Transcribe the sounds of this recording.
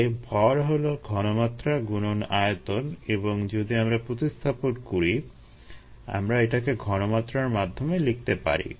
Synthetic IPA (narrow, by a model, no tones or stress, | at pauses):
ebʱɔɾɦoloɡʱɔnomat̪ːɾaɡunonajet̪oneboŋd͡ʑod̪iamɾapɾot̪ist̪ʰaponkoɾi | a̰mɾaeʈakeɡʱɔnomat̪ːɾaɾmad̪ʱːomelik̚t̪epa̰ɾḭ